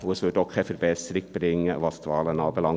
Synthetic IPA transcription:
uəsʋøtɔkʰːɛfəɾbɛsəɾɪk̚b̥ɾɪŋːəvɑstvɑːlənɑːbəlɑŋ

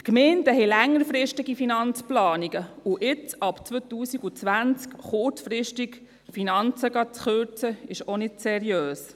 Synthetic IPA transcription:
tkmɛːntəɦɛlæŋːəɾfɾɪʃtiɡifinɑnt͡splɑːniɡəuʔɪt͡sɑpt͡sʋøt̪uːsiɡut͡sʋænt͡skχʊɾt͡sfɾɪʃtik | finɑnt͡səɡɑt͡sχøɾt͡səɪʃonɪdsɛɾiøːs

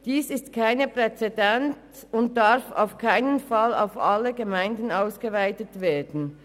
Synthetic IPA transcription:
d̥iːsɪstkʰaɪnəpʁ̥ɛt͡sɛdɛnt | ʊnt̚d̥aʁfa̰ʊfkʰaɪnənfala̰ʊfʔaləɡəmaɪndn̩aʊsɡ̥əvaɪtətv̥eːɐdn̩

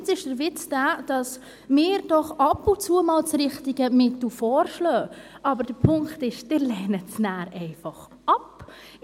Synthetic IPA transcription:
t͡sɪʃd̥əɾʋɪt͡sd̥æːd̥ɑs | mɪːɾd̥ɔχɑpʊt͡suːəmɑːlt͡sɾɪχtiɡəmɪtl̩fɔːɾʃlœːʔɑbəɾd̥əɾpʰʊŋktɪʃd̥ɪɾlɛːnət͡snæːɾɛɪfɑχ | ɑp

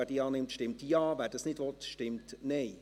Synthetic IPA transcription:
ɛd̥iɑːnɪmtʃtɪmtjɑːvɛːdɑsnɪdvɔt̪ʃtɪmtnɛɪ

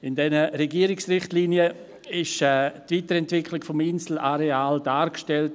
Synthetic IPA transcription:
ɪndɛnəɾɛɡiəɾɪksrɪχtliːnjə | ɪʃɛːtviːtəɾɛntvɪkʰlɪkfɔmɪnsl̩aɾeaːldaːɾkʃtɛlt

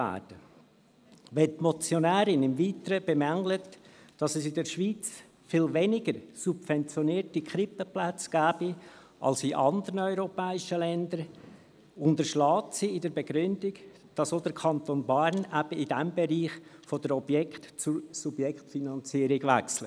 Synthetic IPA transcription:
æ̰ːd̥ə | ʋɛtmɔt͡sjonæːɾɪnɪmviːt̪əɾəb̥ɛmæŋlətd̥ɑsɛsɪdɛɾʃʋiːt͡s | fɪlvɛnɪɡəɾsubfɛnt͡sjɔniːɾtikʰɾɪpəplæt͡sɡ̥æːb̥i | ʔɑ̰lsiʔɑnd̪əɾənœʏɾopɛːɪʃəlɛnd̪əɾ | ʊnd̪əʃlɑːtsiɪdəɾbɛɡ̥ɾʏndɪɡ | d̥ɑsod̥̪əɾkʰɑnt̪oːnbaɾnæb̥əidæmbeɾiːχfod̥əɾɔb̥jɛktt͡susubjɛkχtfinɑnt͡siːəɾɪɡ̥ʋæ̰kslə

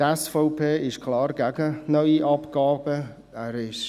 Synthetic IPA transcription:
ɛsfɔʊpʰeːɪʃkʰlɑːɾɡæɡənœʏiʔɑpɡ̥ɑːbə | ɛːɾɪʃ

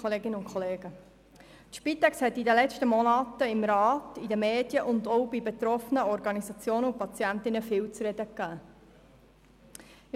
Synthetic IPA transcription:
oleːɡɪnəʊnkʰχoleːɡ̥ə | t̪ʃpit̪ɛkshɛtːidəlɛt͡ʃtəmɔnɑːtːəɪmɾɑːtidəmeːdjəʔʊndɔʊbibet̪ɾɔfənəɔɾɡɑnizɑt͡sjoːnəupɑt͡siæntɪnəfɪːwt͡sɾɛd̥̪əkːæː

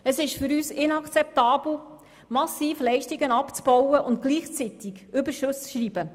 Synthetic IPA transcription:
əsɪʃfʏɾyːsɪnɑkt͡sɛpt̪ɑːb̥l̩ˠ | mɑsiːflɛɪʃtiɡənɑpt͡sb̥ɔwəʔʊnt̪̚kliːχt͡sit̪ɪɡʏbəɾʃʊst͡sʃɾiːbə

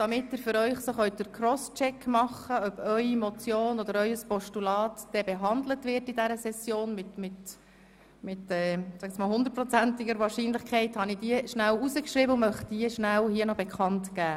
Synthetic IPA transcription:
d̥ɑmɪtːɪɾfʏɾœʏχsoχœɥt̚dəkʰrɔst͡ʃɛkʰːmɑχəœb̥œʏimɔt͡sjoːnɔdəɾœʏəspɔʃtulɑːtd̥ɛbɛɦɑnd̪lətʋɪɾtidæɾəsɛsjoːnmɪtmɪt | mɪtɛːsæɡɛt͡smɑːlˠɦʊnd̪əɾ̚t̚pɾɔt͡sæntɪɡəɾʋɑːɾʃiːnlɪχkʰɛɪthɑnid̥iəʃnæwuzəkʃɾibəumœχtdiəʃnælhiənɔbɛkχɑntɡæː

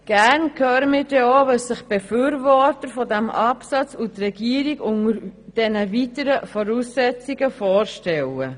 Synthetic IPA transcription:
ɡ̥æɾnkʰøːɾəmiːɾdɛoːʋœsɪχb̥efyːɾvɔɾtəɾfɔdɛmʔɑpsɑt͡sutrɛɡ̥iːɾiɡʊŋəɾd̥ɛnəvitəɾəfɔɾusːɛt͡siɡəfɔːɾʃtɛlə

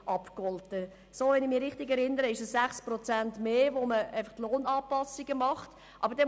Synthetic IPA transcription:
ʔɑpkɔltə | soːʋɛnɪχmiːɾɪχtɪɡɛɾɪnːəɾəɪʃəsːæχsprɔt͡sæntmeːʋoməʔæɪfɑχtloːnɑːpɑsiɡəmɑχt | ʔɑ̰bəɾdɛ

